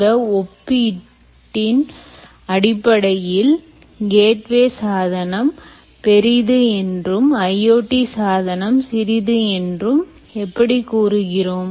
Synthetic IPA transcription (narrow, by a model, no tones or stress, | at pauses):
ɐɔpːi | ʈːɪn | ɐɽɪpːɐɽɐjɪl | ɡeːʈʋeːsaːðɐnɐm | pɛɾɪðɯɛndrɯmɐjoːʈːisaːðɐnɐmsɪɾɪðɯɛndrɯm | ɛpːɐɽikuːɾɯɣɪroːm